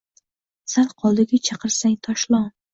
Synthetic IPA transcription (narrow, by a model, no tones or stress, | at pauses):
salqʰɒlˠd̪ɪɡʲat͡ʃʰɑqʰɨɾsaŋt̪ʰɒʃlˠɒŋ